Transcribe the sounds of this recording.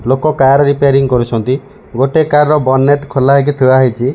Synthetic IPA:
lokɔkajaɾɔɾipeaɾiŋkɔɾut͡ʃʰɔnt̪i | ɡoʈekaɾɾɔbɔnːeʈkʰolaɦek̬et̪ʰiaɦit͡ʃʰi

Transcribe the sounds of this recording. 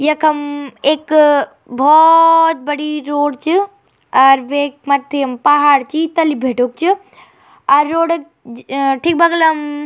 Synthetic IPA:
jɐkʰɐmeːk | bʱɔt̪̚bɐɽiɾoːɽt͡ʃɨ | aːɾʋek̚mɐt̪ʰːiɐmpaɦaːɾt͡ʃit̪ɐlibʱeːʈok̚t͡ʃʰi | ɐɾːoːɽɐk̚ | ʈʰiːk̚bʱɐɡlɐm

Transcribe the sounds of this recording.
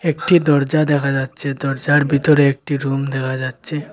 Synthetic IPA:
ekʈid̪ɔɾd͡ʒad̪ɛkʰad͡ʒad̪̚t͡ʃʰed̪ɔɾd͡ʒaɽbʱit̪ɔɾeːk̚ʈiɾumd̪ɛkʰad͡ʒad̪̚t͡ʃʰe

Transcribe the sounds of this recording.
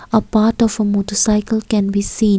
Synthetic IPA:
əpaʈɔfəmotɔsaɪkəlkɛ̃nbisĩ

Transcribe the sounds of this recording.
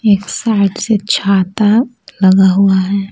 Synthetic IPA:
eːksaːɪʈset͡ʃʰaːt̪a | lɐɡaɦuaɦɛː

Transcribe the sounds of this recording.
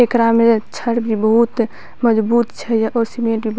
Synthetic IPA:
ekɾamet͡ʃʰəɽbʱibəɦut̪ | məd͡ʒbut̪t͡ʃʰɛjaʔɔːɾsimẽʈbʱib

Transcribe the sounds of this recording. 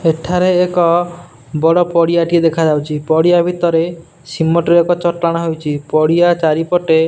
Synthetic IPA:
eʈʰaɾeːkɔ | bɔɽɔpɔɽiaʈied̪ekʰad͡ʒawt͡ʃʰipɔɽijabʱit̪ɔɾe | simːɔʈeɾekɔt͡ʃɔʈlaɽ̃ɔɦewt͡ʃʰipɔɽiat͡ʃaɾipɔʈe

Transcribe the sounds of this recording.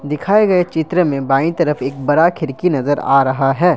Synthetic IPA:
d̪ɪkʰaːeɡɐet͡ʃɪt̪ɾəmẽbaːĩt̪ɐɾəfeːk̚bɐɽakʰɪɾkinɐzəɾa̰ːɾɐɦaɦɛː

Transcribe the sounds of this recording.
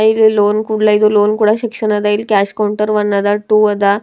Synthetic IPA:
aillonkuɽlaid̪olonkuɽaɕikʂənad̪ailkæɕkauɳʈəɾʋənːad̪aʈuəd̪a

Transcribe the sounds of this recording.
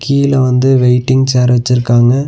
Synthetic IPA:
kʰiːlɐʋɐnd̪ɯʋɛɪʈːɪŋɡseːɾʋɛt͡ʃːɪɾɯkːaːŋɡɐ

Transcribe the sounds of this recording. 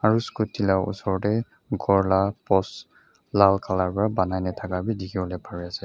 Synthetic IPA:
aɹuskutʰːilawʔṵsɔɹɔtɛ | ɡɔɹlapɔs | lalkʰalaɹpɔɹabanajnɛtʰakabidikʰibɔlɛpʰaɹiasɛ

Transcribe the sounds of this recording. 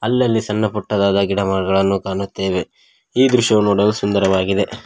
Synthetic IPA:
ɐlːɐlːisɐnːɐpɔʈːɐd̪aːd̪ɐɡiɽɐmaːɾɐɡɐɭɐnːukaːnut̪ːeːʋe | iːd̪ɾuʃɐʋunoːɽɐlusund̪ɐɾɐʋaːɡid̪e̞

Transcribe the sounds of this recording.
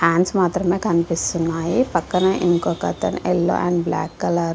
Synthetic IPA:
haːnsmaːt̪ɾɐmeːkɐnipist̪unːaːjipɐkːɐnɐʔiŋkoːkɐ̰t̪ɐ̰nelːo̰ːʔɛɳɖbla̰ːkːɐlaɾu

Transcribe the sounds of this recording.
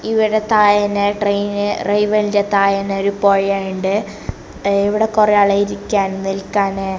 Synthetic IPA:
iʋiɽet̪aːjɐnɨʈrejnɨrʔɐjʋɐlidet̪aːjɐnoɾupo̞ːjaːjuɳɖɨ | iʋiɽekureɐɭɐjiɾikʲːaːnnilkaːne

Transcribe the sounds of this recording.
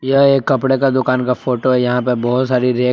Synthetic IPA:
jɐeːkːɐpɽekad̪ʊkaːnkafoːʈoɦɛjɐɦãpɐɾbɔːʊt̪saːɾiɾeː

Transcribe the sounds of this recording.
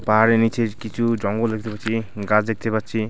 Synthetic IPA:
paɦaɾenit͡ʃʰekit͡ʃʰud͡ʒɔŋɡod̪ekʰit̪epaɾt͡ʃʰiɡad͡ʒd̪ekʰit̪epaɾt͡ʃʰi

